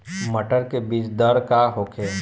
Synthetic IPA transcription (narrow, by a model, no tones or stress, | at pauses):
məʈəɾkebiːt͡ʃd̪əɾkaɦoːkʰeː